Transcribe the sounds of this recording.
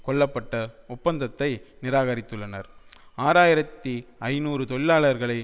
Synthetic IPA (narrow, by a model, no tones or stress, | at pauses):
kɔɭːɐpːɐʈːɐʊpːɐnd̪ɐt̪ːɐɪnɪɾaːɣɐɾɪt̪ːɯɭːɐnɐ̰ɾaːɾaːjɪɾɐt̪ːiɐɪnuːɾɯt̪ɔɭːaːɭɐɾɣɐɭɐɪ